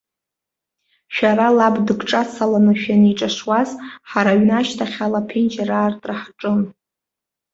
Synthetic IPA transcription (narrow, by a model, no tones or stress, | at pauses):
ʃᶣaɾalabdɨɡʈ͡ʂʼasalanɨʃᶣaniʈ͡ʂʼaʂwazħaɾaɥnaʃtʰaχʲalapʰend͡ʒaraːrtʼraħʈ͡ʂʼɨn